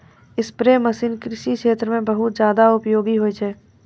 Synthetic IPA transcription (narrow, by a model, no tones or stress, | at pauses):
ɪspɾeːmɐsiːnkɾɪʃiʃeːt̪ɾəmẽbɐɦʊt̪̚zjaːd̪aʊpjoːɡiɦoit͡ʃʰɛː